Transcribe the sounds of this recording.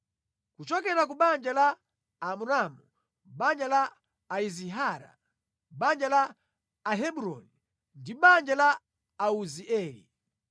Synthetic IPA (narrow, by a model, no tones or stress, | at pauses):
kut͡ʃɔkɛɾakuɓand͡ʒalaː | muɾamu | ɓand͡ʒalaː | iziɦaːɾa̰ | ɓand͡ʒalaː | ɦɛɓuɾɔ̰ni | ndiɓand͡ʒala | auziɛːlḭ